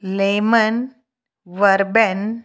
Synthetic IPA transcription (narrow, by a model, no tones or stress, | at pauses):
lemən | ʋəɾbɛn